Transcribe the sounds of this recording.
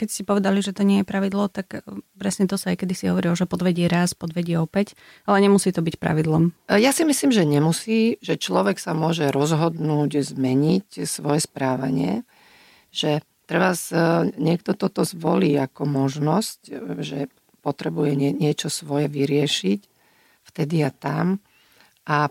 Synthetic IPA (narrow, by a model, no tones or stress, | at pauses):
kɛcscɛpɔʋɛd̪aliʒɛt̪ɔɲɪɛjɛpɾaʋid̪lɔt̪akpɾɛsɲɛt̪ɔsaajkɛd̪isiɦɔ̰ʋɔɾilɔʒɛpɔd̪ʋɛɟɪɛɾaspɔd̪ʋɛɟɪɛɔpɛc | alɛɲɛmusiːt̪ɔbicpɾa̰ʋid̪lɔmjasimisliːmʒɛɲɛmusiːʒɛt͡ʃlɔʋɛksamʊɔʒɛɾɔzɦɔd̪nuːɟzmɛɲicsʋɔjɛspɾaːʋa̰ɲɪɛ̰ | ʒ̥ɛ | t̪ɾɛʋasɲɪɛkt̪ɔt̪ɔt̪ɔzʋɔ̰liːakɔmɔʒnɔscʒɛ̰ | pɔt̪ɾɛbujɛɛɲɪɛt͡ʃɔsʋɔjɛʋiɾɪɛʃic | ft̪ɛd̪iat̪am | ʔa